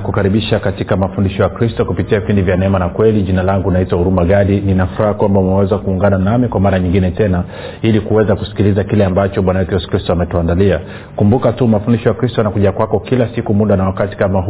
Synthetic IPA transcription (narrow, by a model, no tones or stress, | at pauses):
kukaɾiɓiʃakatikamafundiʃɔjakɾistɔkupitiavipindivjanɛɛmanakwɛliʄinalaŋɡunaitwahuɾumaɠaɗininafuɾahakwambaumɛwɛzakuːŋɡananamikwamaɾaɲiŋɡinɛtɛna | ilikuwɛzaku̥si̥kilizakilɛambat͡ʃɔɓwanajɛtujɛsu̥kɾistɔamɛtuandalia | kumbukatumafundiʃɔjakɾistɔanakuʄakwakɔkilasikumuɗanawakati̥kama